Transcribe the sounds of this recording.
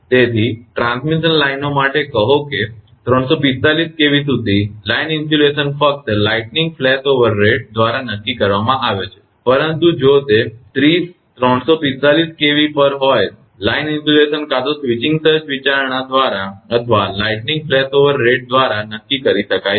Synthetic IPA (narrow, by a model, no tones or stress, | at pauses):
t̪et̪ʰiʈɾãnsmiʃənlajnomaʈekəɦoke | t̪ɾəɳ̃sopit̪ːaliskeʋisud̪ʱilainɪnfulesənfək̚t̪laiʈnɪ̃ŋɡ̚flɛt̪oʋəɾːeʈ̚d̪ʋaɾanəkːikəɾʋamãaʋet͡ʃʰe̥ | pəɾənt̪ũd͡ʒot̪et̪ɾis | t̪ɾəɳ̃sopit̪ːaliskeʋipəɾɦoj | lainɪnsulesənkat̪osʋit͡ʃɪ̃ŋɡsəɾt͡ʃʋit͡ʃaɾɳ̃ad̪ʋaɾaət̪ʰʋalaiʈnɪ̃ŋɡflɛt̪oʋəɾːeʈ̚d̪ʋaɾanəkːikəɾiʃəkaj